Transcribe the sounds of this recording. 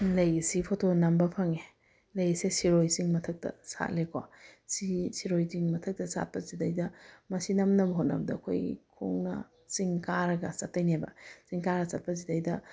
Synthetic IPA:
lɐjsipʰotʰonɐmbɐpʰɐŋe | lɐjsesiɾojsiŋmɐtʰɐk̚tɐ̰sa̰t̚lekwa̰sisiɾojziŋmɐtʰɐk̚tɐsa̰t̚pɐzidɐjdɐmɐsinɐmnɐbɐɦot̚nɐ̰bɐdɐɐkʰo̰jkʰo̰ŋnɐ̰ | siŋkaɾɐɡɐsɐtːɐjnabɐ̰siŋkaɾɐsɐt̚pɐzidɐjdɐ

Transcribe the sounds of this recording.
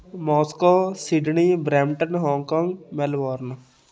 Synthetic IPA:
mɔːskoːsiɖniːbɾɛːmʈənɦɔːŋkãːŋɡmɛlʋaːɾn

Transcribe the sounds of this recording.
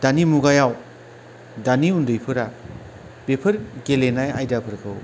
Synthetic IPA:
d̥animuɡajaw | daniundɯjpʰɯɾa | b̥epʰɯɾɡelenajajdapʰɯɾkʰɯw

